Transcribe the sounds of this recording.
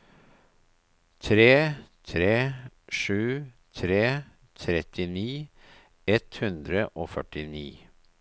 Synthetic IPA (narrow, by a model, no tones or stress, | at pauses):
t̪ʰɾeːt̪ʰɾeːʂʉː | t̪ʰɾeː | t̪ʰɾɛt̪ʰɪniː | ɛt̪hʉnd̪ɾəʔoːfœʈɪnḭː